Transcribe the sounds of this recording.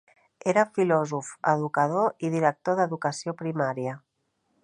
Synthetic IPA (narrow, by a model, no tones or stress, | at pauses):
eɾəfilɔzufə̰ðukəð̞oiðiɾək̚t̪oðəðukəsiopɾimaɾiə